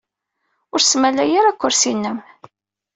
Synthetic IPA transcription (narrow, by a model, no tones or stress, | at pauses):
ʊɾsmælæjaɾækʷːʊɾsinːəm